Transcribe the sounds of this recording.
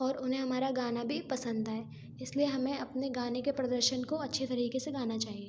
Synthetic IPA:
ɔːɾʊnɦẽɦɐmaːɾaɡaːnabʱipɐsə̃nd̪aɦɛː | ɪslieɦɐmẽɐpneɡaːnekepɾɐd̪əɾʃənkoɐtːʃʰet̪ɐɾiːkeseɡaːnat͡ʃaːɦieː

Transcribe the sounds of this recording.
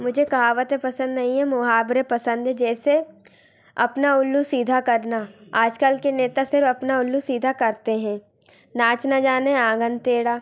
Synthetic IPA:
mʊd͡ʒʱekɐɦaːʋət̪epɐsə̃nd̪nɐɦĩɦɛ̃mʊɦaːbɾepɐsə̃nd̪ʱɦɛ̃d͡ʒɛːse | ɐ̰pnaʊlːusiːd̪ʱakɐɾnaaːd͡ʒkəlkeneːt̪asɪɾfɐpnaʊlːusiːd̪ʱakɐɾt̪eɦɛ̃ː | naːt͡ʃnad͡ʒaːneãːɡənt̪eːɽaː

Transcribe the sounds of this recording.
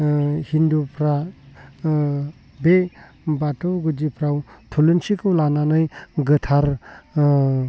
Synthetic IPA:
hindupʰɾa | be | batowɡud͡ʒipʰɾawt̪ʰulunsikʰɯwlananajɡətʰaɾ

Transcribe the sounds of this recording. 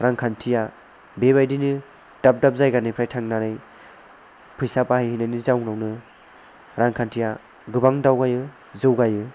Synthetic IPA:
ɾaŋkʰantʰija | beβajdinɯ | d̥ap̚dap̚zajɡanɯpʰɾajtʰaŋnanaj | pʰɯjsapahajhinajnɯzawnawnɯ | ɾaŋkʰantʰija | ɡɯbaŋdawɡajɯ | zɯwɡajɯ

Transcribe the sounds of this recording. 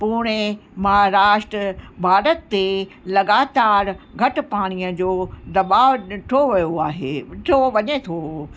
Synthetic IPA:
puːɽ̃emɐɦaɾaːʃʈɾəbʱaːɾət̪ːelɐɡaːt̪aːɾɡʱɐʈʊ̆paːɽ̃iəd͡ʑoːd̪ɐbaːʋʈʰoʋijoaːɦeːʈʰoʋɐɲet̪ʰo

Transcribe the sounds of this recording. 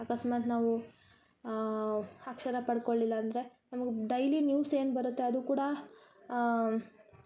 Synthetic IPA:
ɐkɐsmaːt̪naːʋu | ɐkʂɐɾɐpɐɽko̞ɭːilːɐːnd̪ɐɾe̞nɐmɐɡeɖɐjlinjuːse̞ːnbɐɾut̪ːe̞ɐd̪uːkuːɽɐ

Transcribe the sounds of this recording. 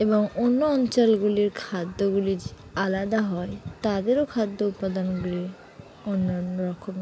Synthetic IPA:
eboŋonːoɔnt͡ɕɔlɡuliɾkʰad̪ːoɡuli | alad̪aɦɔet̪ad̪eɾokʰad̪ːoupːad̪onɡuliɾ | onːanːoɾɔkʰːobna

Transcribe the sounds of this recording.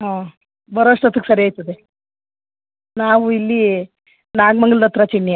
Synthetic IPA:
ɦãː | bɐɾoʂʈɐt̪ʰuksɐɾeajt̪ɐd̪e | naːʋuilːi | naːɡmɐŋɡld̪ɐt̪ɾat͡ʃiɳːja

